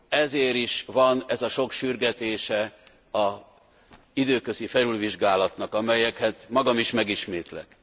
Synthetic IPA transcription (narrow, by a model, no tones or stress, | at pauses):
ɛzeːɾiʃʋɒnɛzɒʃo̞kʃyrɡɛt̪eːʃɛ | ɒ | id̪øːkøzifɛɾylʋiʒɡaːlɒt̪nɒkɒmɛjɛkhɛt̪mɒɡɒmiʃmɛɡiʃmeːt̪lɛ̰k